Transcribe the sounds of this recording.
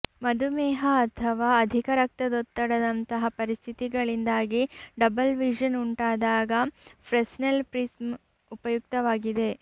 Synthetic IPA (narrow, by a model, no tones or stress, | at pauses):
mɐd̪ʱumɛːɦɐːt̪ʰɐʋaːɐd̪ʱikɐɾɐk̚t̪ɐd̪ot̪ːɐɽɐd̪ɐnt̪ɐɦɐpɐɾist̪ʰit̪iɡɐɭind̪aːɡiɖɐbɐlʋid͡ʒɐnuɳʈaːd̪aːɡɐpʰɾesnelpɾism | upɐjuk̚t̪ɐʋaːɡid̪e̞